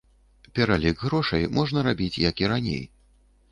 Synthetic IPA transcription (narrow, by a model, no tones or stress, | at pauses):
pʲɛɾalʲiɡɣɾɔʂɐjmɔʐn̪ɐɾabʲit͡sʲjɐkiɾanʲḛj